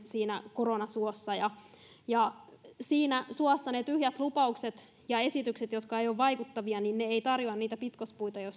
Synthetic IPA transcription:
siːnækoronɑsuosːɑjɑ | jɑsiːnæsuosːɑnet̪yhjæt̪lupɑukset̪ | jɑe̞sit̪ykset̪jo̞t̪kɑejoːʋʋɑikut̪ːɑʋiɑninneeit̪ɑrjoɑnniːt̪æpit̪kospuit̪ɑjos

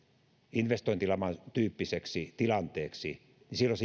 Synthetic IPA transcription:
inʋest̪oint̪ilɑmɑnt̪yːpːiseksit̪ilɑnt̪eːksḭ | nisilːose

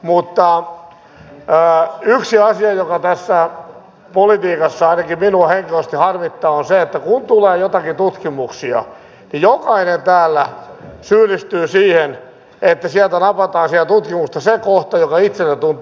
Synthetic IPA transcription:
mut̪ːɑ | yksiɑsiɑjokɑt̪æsːæ | polit̪iːkɑsːɑɑinɑkiminuɑheŋkiost̪ihɑrmit̪ːɑːonseet̪ːækunt̪uleːjot̪ɑkit̪ut̪kimuksiɑ̰ | nijokɑinent̪æːlːæsyːlist̪yːsiːhen | et̪ːæsiælt̪ænɑpɑt̪ɑːnsit̪æt̪ut̪kimust̪ɑsekoht̪ɑjokɑit̪selːet̪unt̪

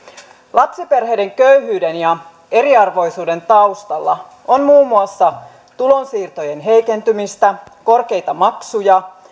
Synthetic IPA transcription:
lɑpsipe̞rɦejde̞ŋkøyɦyːde̞njɑ | e̞ɾiɑrʋo̞jsuːde̞nt̪ɑust̪ɑlːɑ | onmuːmːuɑsːɑ | t̪ulo̞nsiːrt̪o̞je̞nɦe̞jke̞nt̪ymist̪æko̞rke̞jt̪ɑmɑksujɑ

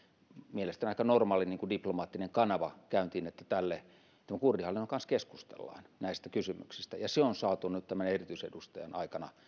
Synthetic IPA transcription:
mielest̪æniɑˑikɑnormɑːliniːŋkudiplomɑːt̪ːineŋkɑnɑʋɑkæynt̪iːnet̪ːæt̪ælːe | t̪æmækurdihɑlːinːoŋkɑnskesku̥st̪ḛlːɑ̰ːnnæˑist̪ækysymy̰ksist̪æjɑseonsɑːt̪unyt̪t̪æmænerit̪yˑisedust̪ɑjɑ̰nɑ̰ikɑnɑ̰

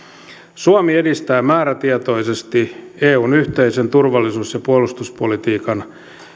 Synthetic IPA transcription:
suɑmie̞dist̪æːmæːɾæt̪iet̪o̞jsest̪ieːuːnyht̪eisent̪urʋɑlːisuːsjɑpuolust̪uspolit̪iːkɑn

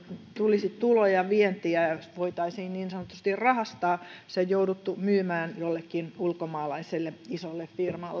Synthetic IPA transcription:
t̪ulisit̪t̪ulojɑʋient̪iæɑʋoit̪ɑisiːnniːnsɑnot̪ːust̪irrɑhɑst̪ɑːseojjoudut̪ːumyːmæːnjolːekːinulkomɑːlɑiselːeisolːeffirmɑlːe

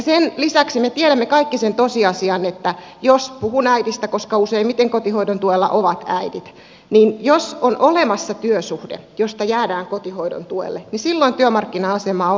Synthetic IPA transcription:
ɑsenlisæksimet̪ieɾæmːekɑikːisent̪osiɑsiɑnet̪ːæ | jospuhunæidist̪ækoskɑuseimmit̪eŋkot̪ihoidont̪uelːɑ̰ʔoʋɑt̪æidit̪ | niːnjosonʔolemɑsːɑt̪yøsuhdḛjost̪ɑjæːdæːŋkot̪ihoido̰nt̪uḛlːenisilːoint̪yømɑrkːinɑɑsemɑːo

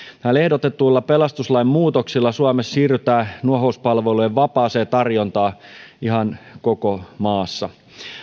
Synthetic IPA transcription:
æːle̞hdot̪et̪ːuːlːɑpelɑst̪uslɑimmuːt̪oksilːɑsuɑmessiːryt̪æːnuoɦouspɑlʋelujeʋʋɑpɑːseːt̪ɑrjont̪ɑːiɦɑnkokomɑːsːɑ

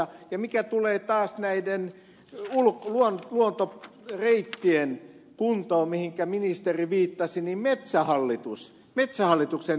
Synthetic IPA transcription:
ɑjɑmikæt̪uleːt̪ɑːsnæiden | ulkluonluont̪o | reit̪ːien | kunt̪oːmmihiŋkæminist̪eriʋiːt̪ːɑsinimmet̪sæhɑlːit̪us | met̪sæhɑlːˑit̪uksen

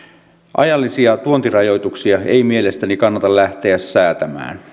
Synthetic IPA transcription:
ʔɑ̰jɑlːisiɑt̪uont̪irɑjo̞jt̪uksiɑejmie̞le̞st̪ænikɑnːɑt̪ɑlæht̪e̞æsːæːt̪æmæ̰ːn

